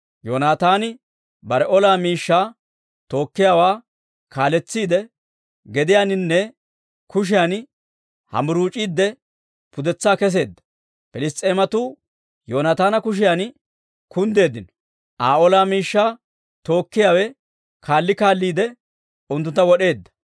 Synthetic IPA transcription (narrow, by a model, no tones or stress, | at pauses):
joːnaːt̪aːnɪ | bɐɾɛʔɔlaːmiːʃːaː | t̪o̞ːkːɪjaːwaː | kaːlɛt͡sːiːd̪ɛ | ɡɛd̪ɪjaːnɪnːɛ | kʊʃ̬ɪjaːn | hɐ̰mʊɾuːt͡ʃʼiːd̪ːɛ | pʊd̪ɛt͡sːaːkɛs̬e̞ːd̪ːɐ̥ | pɛlɪst̪ʼːe̞ːmɐt̪uː | joːnɐt̪aːnɐkʊʃ̬ɪjaːn | kʊnd̪e̞ːd̪ɪnɔ̥ | ʔaːolaːmiːʃːaː | t̪o̞ːkːɪjaːwɛ | kʰaːlːɪkaːlːiːd̪ɛ | ʊnt̪ːʊnt̪ːɐwɔɗe̞ːd̪ːɐ̥